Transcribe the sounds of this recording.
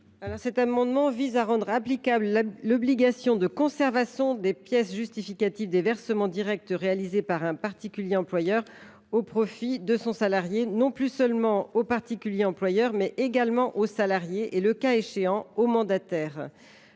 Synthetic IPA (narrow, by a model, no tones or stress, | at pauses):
alɔʁsɛt̪amɑ̃d̪mɑ̃vizaʁɑ̃d̪ʁaplikabləlɔbliɡasjɔ̃d̪əkɔ̃sɛʁvasjɔ̃d̪epjɛsʒyst̪ifikat̪ivd̪evɛʁsəmɑ̃d̪iʁɛk̚t̪ʁealizepaʁɛ̃paʁt̪ikʲyljeɑ̃plwajœʁ | opχɔfid̪əsɔ̃salaʁjenɔ̃plysœlmɑ̃opaʁt̪ikʲyljeɑ̃plwajœʁmɛʔeɡalmɑ̃ʔosalaʁjeʔeləkaeʃeɑ̃omɑ̃d̪at̪ɛːʁ